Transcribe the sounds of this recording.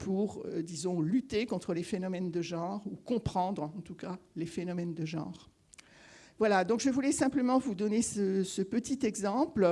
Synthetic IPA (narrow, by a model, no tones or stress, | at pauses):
pʰuʁød̪izɔ̃lyt̪ekɔ̃t̪χəlefenɔmɛnd̪əʒɑ̃ʁukɔ̃pχɑ̃d̪ʁɑ̃t̪ukalefenɔmɛnd̪əʒɑ̰̃ʁ | vwalad̪ɔ̃kʒəvulɛsɛ̃pləmɑ̃vud̪ɔnesəsəpət̪it̪ɛɡzɑ̃pl